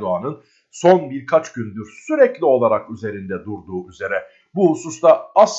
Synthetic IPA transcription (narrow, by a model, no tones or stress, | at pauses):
d̪uanɯn | so̞nbiɾkʰat͡ʃɟynd̪yɾsyɾɛclʲio̞lˠaɾakyze̞ɾind̪ɛd̪uɾd̪uːyze̞ɾɛ | buhususlˠaas